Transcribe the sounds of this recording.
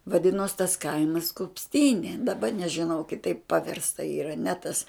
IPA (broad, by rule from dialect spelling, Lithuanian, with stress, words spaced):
ʋɐˈdʲɪnoːs tɐs ˈkɐɪmɐs kʊpʲsʲˈtʲiːnʲeː dɐˈbɐ nʲɛʒʲɪˈnɐʊ kʲɪˈtɐɪp pɐˈʋʲɪrstɐ iːˈrɐ nʲɛ ˈtɐs